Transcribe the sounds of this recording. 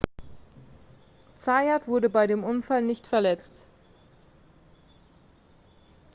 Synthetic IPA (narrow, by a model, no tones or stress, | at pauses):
t͡saatv̥ʊɐdəbaɪdeːmʔʊnfalnɪçtfɛɐlɛt͡st